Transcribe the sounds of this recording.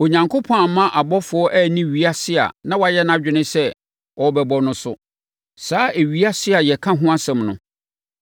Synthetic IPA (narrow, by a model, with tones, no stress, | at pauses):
o˨ɲã˨ŋkʰʊ˦pʰɔ̃˦˨mã˦ʔa˨bɔ˦fʊ˨ɔ˦ʔæ˦˨nĩ˦ɥi˨˦a˦sɪ˦a̰˨nã˦wa˨jɛ˦nã˦d͡ʑᶣɪ˨nɪ̃˦sɛ˦ | ɔ˨bɛ˨bɔ˨nʊ̃˦sʊ̰˦ | saː˦ʔe˨ɥi˦a˦sɪ˦a˨jɛ˨kʰã˦ɦʊ̃˦a˦sɛ̃˨mnʊ̰̃˨